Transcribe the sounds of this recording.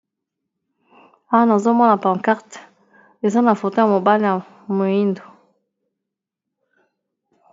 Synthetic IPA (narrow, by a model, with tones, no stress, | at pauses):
a˦wa˦na˨zo˦mɔ˦na˨pã˨ŋka˦ʁt | e˨za˦na˨fo˨to˦ja˨mo˨ba˦lja˨ | mo˨ji˦ndo˨